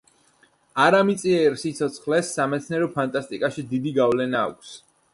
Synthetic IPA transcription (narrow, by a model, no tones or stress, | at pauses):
aɾamit̪sʼiɛɾsit̪sʰɔt̪sʰχlɛsːamɛt̪sʰniɛɾɔpʰant̪ʼast̪ʼikʼaʃid̪id̪iɡavlɛna̰ːkʷʰs